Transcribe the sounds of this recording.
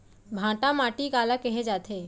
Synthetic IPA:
bʱãːʈãmaːʈiɡaːlakɛɦed͡ʒaːt̪ʰeː

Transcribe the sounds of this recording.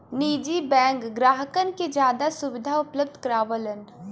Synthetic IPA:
niːd͡ʒibɛ̃ːŋkɡɾaːɦəkənked͡ʒjaːd̪asʊʋɪd̪ʱaʊpləb̚d̪ʱkɐɾaːʋələn

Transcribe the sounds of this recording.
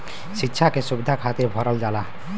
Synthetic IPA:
ʃitːʃʰakesubid̪ʱakʰat̪iɾbʱɔɾəld͡ʒala

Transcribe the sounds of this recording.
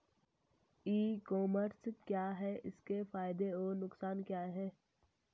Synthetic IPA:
iːkɔːməɾskjaːɦɛʔɪskefaːɪd̪eɔːnʊksaːnkjaːɦɛː

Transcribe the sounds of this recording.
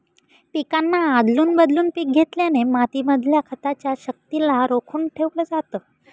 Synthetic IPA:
pikanːaad̪ʱluːnbəd̪luːnpiːk̚ɡʱet̪ljanemat̪iməd̪ʱljakʰət̪at͡ɕjaɕək̚t̪ilaɾokʰuːnʈʰeʋləːd͡zat̪əː

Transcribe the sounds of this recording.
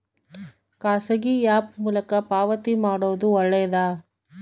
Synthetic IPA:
kaːsɐɡijaːpmuːlɐkɐpaːʋɐt̪imaːɽoːɐd̪uɔɭːɐjɐd̪aː

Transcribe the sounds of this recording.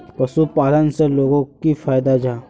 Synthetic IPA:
pɐʃupaːlənseloːɡõkifʰaːjd̪ad͡ʒaː

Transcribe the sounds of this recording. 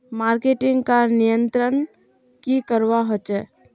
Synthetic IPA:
maːɾkeʈɪ̃ŋɡkanijənt̪ɾən | kikəɾʋaɦot͡ʃɛ

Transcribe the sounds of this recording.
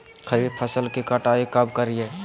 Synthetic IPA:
kʰəɾiːd̪̚pʰəsəlkikəʈaːikəbkəɾie

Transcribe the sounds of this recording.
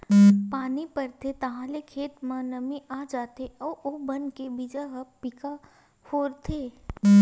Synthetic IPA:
paːnipɐɾt̪ʰet̪ɐɦãlekʰeːt̪mãnɐmiʔaːd͡ʒaːt̪eɔːobɐnkebɪd͡ʒaɦɐpɪka | hoːɾt̪ʰeː

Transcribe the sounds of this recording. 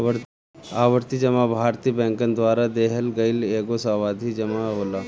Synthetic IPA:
aːʋəɾt̪id͡ʒɐmabʱaːɾt̪ibɛ̃ːŋkənd̪ʋaːɾad̪eːɦəlɡɐɪleːɡosaːʋaːd̪ʱid͡ʒɐmaɦoːlaː

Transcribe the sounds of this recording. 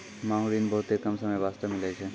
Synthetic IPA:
maːɦuɾiːnbɔɦːt̪ɦekɐmsɐməjʋaːst̪əmɪlɛt͡ʃʰe

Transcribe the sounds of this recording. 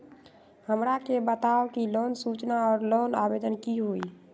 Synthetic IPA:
həmɾakebət̪aokilonsut͡ʃnaɔːɾlonabed̪ənkiɦoi

